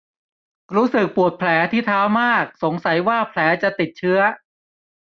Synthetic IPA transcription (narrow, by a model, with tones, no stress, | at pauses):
ɾuː˦˥sɯ˨˩k̚pu˨˩ət̪̚pʰlɛː˩˦t̪ʰiː˥˩t̪ʰaː˦˥wmaː˥˩k̚so˩˦ŋsa˩˦jwaː˥˩pʰlɛː˩˦t͡ɕa˨˩t̪i˨˩t̪̚t͡ɕʰɯ˦˥ɐ